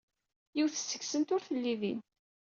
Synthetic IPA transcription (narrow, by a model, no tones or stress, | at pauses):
jiwθə̥sːəçsənt̪ʊɾθəlːiðḭn